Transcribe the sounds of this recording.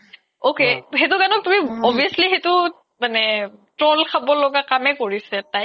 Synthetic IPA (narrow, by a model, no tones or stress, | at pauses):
okeɦetʊkanɔk̚tumiɔbʱiasliɦetʊ | manɛtɹɔlkʰabɔlɔɡakamɛkoɹisɛtaj